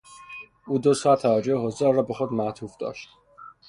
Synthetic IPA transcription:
uːd̪osɒːt̪ʰævæd͡ʒoeɦozɛɾɒːbexod̪mæt̪ʰufd̪ɒ̰ːʃt̪̚

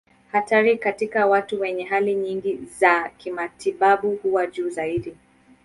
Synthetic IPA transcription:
hataɾikatikawatuwɛɲɛɦaliɲiŋɡizakimatiɓaɓuhuwaʄuːzaiɗi

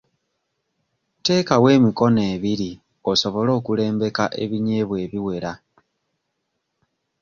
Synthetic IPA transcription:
te̞ːkawe̞ːmiko̞ne̞ːβiɾi | o̞so̞βo̞lo̞ːkule̞ːmbe̞kaʔe̞̰βiɲe̞ːβwe̞ːβiwe̞ɾa

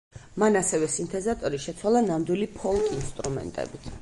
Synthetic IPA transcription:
manasɛvɛsint̪ʰɛzat̪ʼɔɾiʃɛt̪sʰwalˠanamd̪wilipʰɔlˠkʼinst̪ʼɾumɛ̰nt̪ʼɛ̰bit̪ʰ

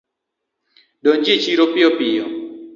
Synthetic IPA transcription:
dond͡ʒet͡ʃiɾopɪɔpɪjɔ̰

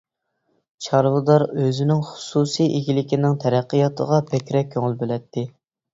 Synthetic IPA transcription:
t͡ʃʰɑɾwɨd̪ɑɾøzɪnɪŋχʊ̥susijʔeɡʲilɪkʲinɪŋt̪ʰɛɾæqːəjɑt̪ʰə̰ʁɑpʰɛkʲɾɛkʲʰːøŋɪlˠbølɛt̪ʰːɪ

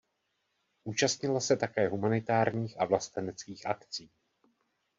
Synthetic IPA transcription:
ʔuːt͡ʃast̪ɲɪlasɛt̪akɛːɦumanɪt̪aːɾɲiːxʔavlast̪ɛnɛt͡skiːxʔa̰kt͡siː

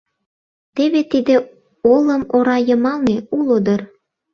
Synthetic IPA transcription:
t̪eβet̪id̪ĕ | olə̆moɾɑjɤ̆mɑlneulod̪ɤ̆r

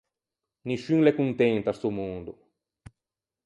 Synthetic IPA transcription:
niʃyŋlekunt̪ɛnt̪asomund̪o

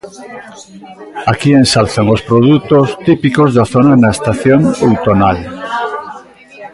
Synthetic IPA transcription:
akiẽnsalθaŋospɾoðut̪ost̪ipikozðaθonanaest̪aθjoŋowt̪onal

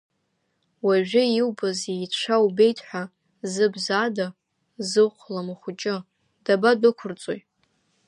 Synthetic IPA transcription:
waʒᶣɪiwbazijʂʷʰaubejtʰʼħʷa | zɨbzaːda | zɨqʷʰlamaχʷʊt͡ʃʼɪ | d̥abadʷʊkʷʰʊrt͡sʼojʼ

